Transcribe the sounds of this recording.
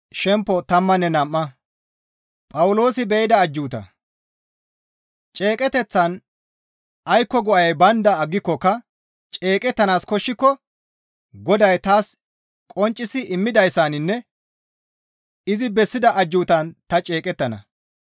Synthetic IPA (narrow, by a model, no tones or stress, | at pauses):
ʃɛmpːɔt̪ɐmːɐnːɛnɐmːɐ | pʼɐwʊlo̞ːsɪbɛjɪd̪ɐːd͡ʒːuːt̪ɐ̰ | t͡ʃʼe̞ːkʼɛt̪ɛt͡sːɐn | ʔɐjkːɔɡɔʔɐjbɐnd̪ɐːɡːɪkːɔkːɐ | t͡ʃʼe̞ːkʼɛt̪ːɐnaːskɔʃːɪkːɔ | ɡɔd̪ɐjt̪aːs | kʼɔnt͡ʃʼːɪsɪʔɪmːɪd̪ɐjsːaːnɪnːɛ | ɪzɪbɛsːɪd̪ɐʔɐd͡ʒːuːt̪ɐnt̪ɐt͡ʃʼe̞ːkʼɛt̪ːɐnɐ̰